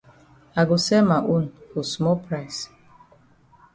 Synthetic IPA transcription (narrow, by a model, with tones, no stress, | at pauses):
a˨ɡʊ˨sɛ˦ma˨ʔu˦n̩˨fo˨smɔ˦pɾa˦js